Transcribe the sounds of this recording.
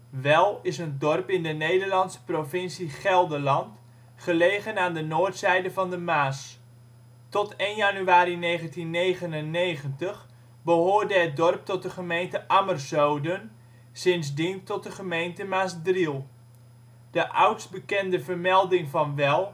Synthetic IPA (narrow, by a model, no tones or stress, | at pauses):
ʋɛlˠɪsəndɔrpɪndənejdəɹlɑnsə̥provɪnsiχɛlˠdəlɑnt | χəlejɣənaːndənoːɹtsɛjdəvɑndəmaːs | tɔtejnjanyaːɾinejχəntinːejχənənːejχəntəχ | bəɦoːɹdəɦət̚dɔrp̚tɔt̚dəχəmejntəʔamərzowdən | sɪnzdintɔt̚dəχəmejntəmaːsdrilˠ | d̥əʔʌwtst̚bəkɛndəvərmɛlˠdɪŋvɑnʋɛlˠ